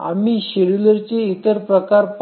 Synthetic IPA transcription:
a̰miːɕeɭuləɾt͡seit̪əɾpɾəkaɾp

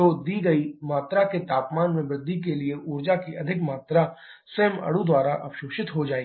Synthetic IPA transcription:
od̪iːɡɐimaːt̪ɾaket̪aːpmaːnmẽbɾɪd̪ʱːikelieʔuːɾd͡ʒakiʔɐd̪ʱɪkmaːt̪ɾa | seɦmɐ̰ɽud̪waːɾaʔɐ̰pʃoːʃɪt̪ɦod͡ʒaːe

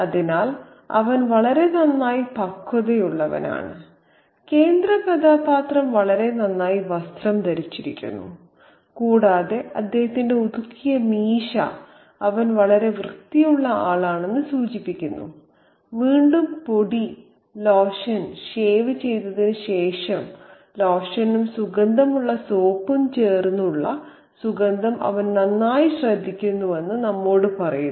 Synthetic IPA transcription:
ɐðinaːl | ɐ̰ʋɐnʋɐɭɐɾe̞t̪ɐnːaːjipɐkʰːɐðe̞juɭːɐʋɐ̰na̰ːɳɨ̰ | ke̞ːnd̪rɐpɐd̪aːpaːt̪rɐmʋɐɭɐɾe̞nɐnːaːjiʋɐst̪rɐmd̪ɐɾit͡ɕːiɾḭkʲːṵnːṵ | kuːɽaːðe̞ɐd̪ːe̞ːhɐt̪ːinde̞ud̪ukʰːijɐmiːʂɐ̰ | ɐʋɐnʋɐɭɐɾe̞ʋrɨt̪ːijuɭːɐaːɭaːɳe̞nːɨsuːt͡ɕipːikʲːunːṵ | ʋiːɳɖumpo̞ɽi | loːʂɐnɕeːʋɨt͡ɕe̞jt̪ːɐðinɨɕe̞ːʂɐm | loːʂɐnumsuɡɐnd̪ʱɐmuɭːɐsoːpːumt͡ɕe̞ːrnːuɭːɐ̰ | suɡɐnd̪ʱɐmɐ̰ʋɐnnɐnːaːjiɕrɐd̪ʱːikʲːunːue̞nːɨnɐmːo̞ːɽɨpɐrɐju

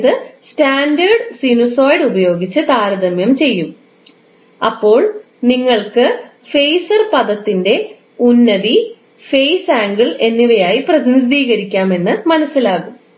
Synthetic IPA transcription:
ðɨstaːndɐrɖsinusoːjɖubɐjo̞ːɡit͡ɕːɨt̪aːɾɐðɐmjɐmt͡ɕe̞jːum | ɐpːo̞ːɭ | niŋːɐɭkɨ | fe̞jsɐrpɐðɐt̪ːinde̞ | unːɐði | fejsaːŋɡiɭe̞nːiʋɐjaːjiprɐðind̪iːɣɐɾikʲːaːme̞nːɨmɐnɐsːilaːɣum

